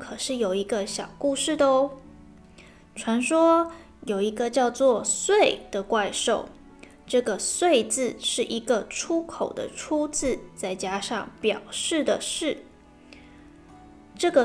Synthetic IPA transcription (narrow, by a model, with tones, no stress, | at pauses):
kʰɤ˨˩ʂɻ̩˥˩jo˨˩ʊi˧˥ɡə˧ɕjɑ˨˩ʊku˥˧ʂɻ̩˥˩d̪ə˧˩ | ʈ͡ʂʰwa˧˥nʂwɔ˥ | jo˨˩ʊi˧˥ɡə˧t͡ɕjɑ˥˧ʊt͡swɔ˥˩swe˥˩ɪd̪̥ə˩kwa˥˧ɪʂo˥˩ʊ | ʈ͡ʂɤ˥˩ɡə˩swe˥˧ɪt͡sɹ̩˥˧ʂɻ̩˥˩ʔi˧˥ɡə˧ʈ͡ʂʰu˥kʰo˨˩ʊd̪ə̰˦ʈ͡ʂʰu˥t͡sɹ̩˥˧t͡sa˥˩ɪt͡ɕja˥ʂɑ˥˩ŋpjɑ̰˨˩ʊʂɻ̩˥˩d̪ə˩ʂɻ̩˥˩ | ʈ͡ʂɤ˥˩ɡə˩